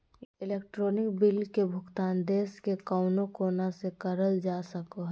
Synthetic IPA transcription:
ɪleːk̚ʈɾoːnɪkbɪlkebʱʊkt̪aːnd̪eːskekaʊnõkoːnasekəɾəld͡ʒasəkoɦ

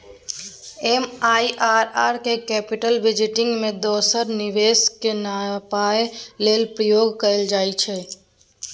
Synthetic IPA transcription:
emaːiʔaːɾaːɾkekɛpɪʈəlʋɪd͡ʒɪʈɪ̃ŋɡmẽd̪ɔːsəɾnɪʋeskenapaeleːlpɾəjoːɡkəeld͡ʒaːit͡ʃʰɛ

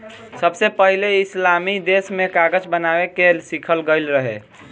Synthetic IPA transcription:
səbsepəɦileislamid̪esmekaɡəd͡ʒbənabekelsikʰəlɡəɪlɾəɦḛ

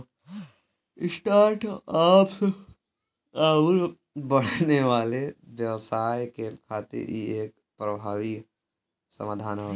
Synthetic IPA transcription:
ɪsʈaːɾʈaːpse | aːuɾ | bɐɽ̤neʋaːleʋjɐʋsaːjkekʰaːt̪ḭɾḭeːk̚ | pɾɐbʱaːʋi | sə̰maːd̪ʱaːno

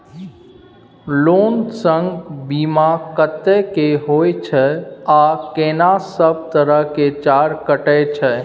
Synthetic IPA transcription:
loːnsə̃ŋɡbiːmakət̪ːekeɦoːjt͡ʃʰɛakeːnasəb̚t̪əɾəɦket͡ʃaːɾkəʈɛt͡ʃʰɛ

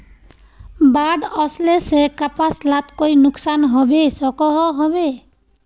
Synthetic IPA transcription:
baɖɔslesekapaslat̪kojnuksanɦɔbesɔkɔɦɔɦɔbe

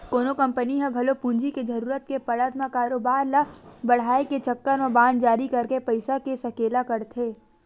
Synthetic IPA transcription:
koːnokɐ̃mpəniɦãɡʱɐlopũːnd͡ʒiked͡ʒɐɾuːɾət̪̚kepɐɽət̪makaːɾoːbaːɾlabɐɽ̤aːeket͡ʃɐkːəɾmabãːnd͡ʒaːɾikɐɾkepɐɪsakesɐkeːlakɐɾt̪ʰeː

